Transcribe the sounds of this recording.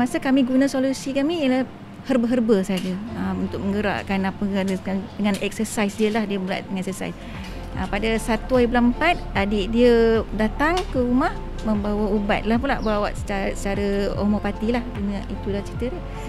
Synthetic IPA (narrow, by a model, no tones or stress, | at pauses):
masakamiɡunasolusikamiəlah | hərbəɦərbəsad͡ʒəəmunt̪ʊk̚məŋɡəɾa̰ʔkanapəaadəŋanɛk̚səsajsdiəlahdiəbəla̰ʔ̚dəŋɛsəsa̰js | əpadasat̪uaiblampat̪̚adiʔdiədat̪aŋkəɾumah | məmbawauba̰t̪̚lahpulaʔbəɾawa̰t̪sə̥t͡ʃasət͡ʃaɾao̰mopat̪ilahɡunəʔit̪ulaht͡ʃit̪əɾə